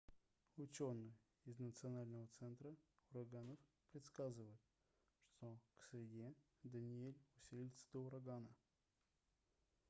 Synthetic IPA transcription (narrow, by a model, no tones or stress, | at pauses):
ʊt͡ɕonːɨj | ɪznət̪sɨɐnalʲnəvət̪sɛnt̪ɾəʊɾɐɡanəf | pɾʲɪt̪skazɨvəjɪt̪̚ | ʂt̪oksʲɾʲɪdʲe | d̪ənʲɪelʲʊsʲilʲɪt̪sə̥d̪əʊɾɐɡanə